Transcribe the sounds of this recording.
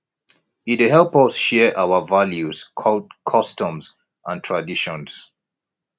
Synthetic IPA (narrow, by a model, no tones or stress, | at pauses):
itɦɛlˠpʌsʃɛʔawəvaljuz̥kʰɔdkʰɔstə̃mz | ʔãntʰɹ̥adiʃɔ̃ns